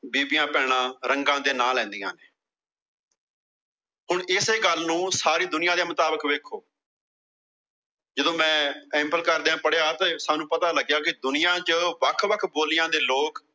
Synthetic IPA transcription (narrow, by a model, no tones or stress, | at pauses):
biːbɪjãːpɛ̃ːɽ̃ãːɾəŋɡãːd̪eːnaːlɛ̃ːnd̪ijã̰ːneː | ɦʊɳɪseːɡəlːnũːsaːɾiːd̪ʊnɪjãːd̪eːmət̪aːbəkʋeːkʰoː | d͡ʒəd̪õːmɛ̃ːɛ̃mpəlkəɾd̪eãːpəɽeaːt̪eːsaːnũːpət̪aːləɡjaːkɪd̪ʊnɪjãːt͡ʃəʋəkʰʋəkʰboːlɪjãːd̪eːloːk